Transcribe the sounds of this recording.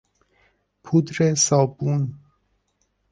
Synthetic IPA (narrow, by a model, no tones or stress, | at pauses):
pʰud̪ɾesɒːbun